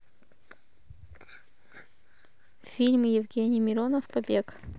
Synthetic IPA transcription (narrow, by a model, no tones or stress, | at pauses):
fʲilʲmjɪvɡʲenʲɪjmʲɪɾonəfpɐbʲek